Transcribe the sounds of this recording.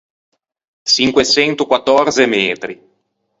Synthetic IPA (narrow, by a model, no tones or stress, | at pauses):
t͡ʃiŋkwesɛnt̪ukwat̪ːɔrt̪semɛːt̪ɾi